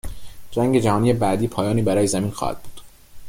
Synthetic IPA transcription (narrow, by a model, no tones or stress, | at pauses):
d͡ʒæŋɡe̞d͡ʒæhɒːniːjebæd̪iːpʰɒːjɒːniːbæɾɒːjezæmiːnxɒ̰ːhæ̰d̪̥̚bu̥ːd̪̥